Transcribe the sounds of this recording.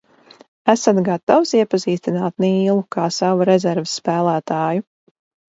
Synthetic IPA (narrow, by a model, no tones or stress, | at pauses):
æsat̪ɡat̪awsiɛpaziːst̪inaːt̪niiːlˠukaːsavuɾɛzɛɾvesːpæːlˠæːt̪aːju